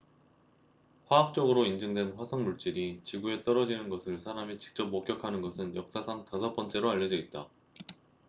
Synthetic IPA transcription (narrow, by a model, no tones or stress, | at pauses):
ɸwaːk̚t͡ɕ͈ʌɡɯɾoind͡ʑɯŋdwe̞nɸwasʰʌŋmuɭt͡ɕ͈iɾit͡ɕiɡue̞t͈ʌɾʌd͡ʑinɯnɡʌsʰɯɭsʰaɾamit͡ɕi̥k̚t͡ɕ͈ʌp̚mok͈jʌkʰanɯnɡʌsʰɯnjʌk̚s͈asʰaŋtasʰʌp͈ʌnt͡ɕ͈e̞ɾoaʎjːʌd͡ʑʌit̚t͈a